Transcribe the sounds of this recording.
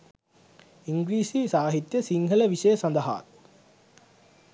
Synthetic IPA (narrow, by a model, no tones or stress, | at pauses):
iŋɡɾiːsisaːɦit̪jɐsiŋɡʱɐlɐʋiʂɐjɐsɐnd̪ɐɦa̰ːt̪